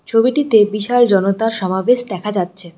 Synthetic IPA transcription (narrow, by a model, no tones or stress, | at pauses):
t͡ɕʰobiʈit̪ebiʃald͡ʑɔnot̪aɾʃɔmabeʃd̪ɛkʰad͡ʑatːɕʰe